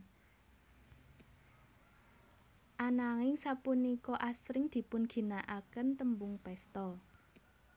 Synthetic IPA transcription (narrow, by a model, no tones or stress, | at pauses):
ʔanaŋɪŋsapunikɔʔasɾɪŋd̪̥i̤pʊnɡ̥i̤naʔakənt̪əmbʊŋpɛst̪ɔ